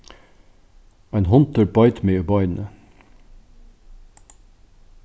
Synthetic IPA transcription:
ɑɪnɦɔnt̪əɹbɑɪt̪mɪəbɑɪn̩ə̰

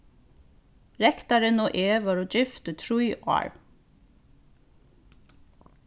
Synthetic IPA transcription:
ɹɛkt̪ɑɾənoːʔeːʋɑɾoːd͡ʒɪft̪ət̪ʰɹuʏʔɑ̰ːɹ

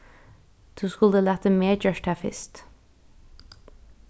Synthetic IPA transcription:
t̪ʰuskulˠd̪əlæt̪ʰəmeːd͡ʒœʃʈʰæfɪ̰st̪

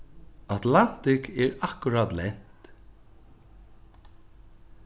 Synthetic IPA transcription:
at̪lan̥t̪ɪkɛɹakʊɾat̪lɛn̥t̪

